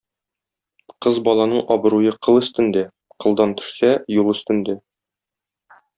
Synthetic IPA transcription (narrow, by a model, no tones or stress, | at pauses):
qɤzbɒlˠɑnɤɴʔɒbɤ̆ɾujɤqɤ̆lˠɵ̆st̪ɘ̆nd̪ɘ | qɤ̆lˠd̪ɑnt̪ɵ̥̆ʃsæjulˠɵ̆st̪ɘ̆nd̪ɘ